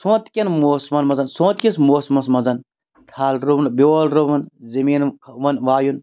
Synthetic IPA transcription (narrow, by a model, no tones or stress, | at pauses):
sõːt̪kʲɐnmoːsmɐnmɐzɐnsõːt̪kʲismoːsmɐsmɐzɐn | t̪ʰaːlɾunbeolɾuʋɐnzɐmiːnkʰʋɐnʋaːjun